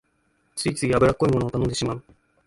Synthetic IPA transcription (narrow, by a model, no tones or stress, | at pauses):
t͡sɨit͡sɨiabɯɾakːoimo̞noːt̪anond̪e̞ɕimaɯ